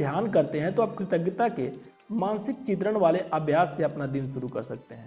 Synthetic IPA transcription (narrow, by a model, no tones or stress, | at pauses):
jaːnkɐɾt̪eɦɛ̃t̪oɐb̚kɾɪt̪əɡɪt̪ake | mãːnsɪkt͡ʃɪt̪̬ɾəɽ̃ʋaːleʔɐbʱjaːsːeɐpnad̪ɪnʃʊɾukɐ̰ɾsɐk̚t̪eɦɛ̃ː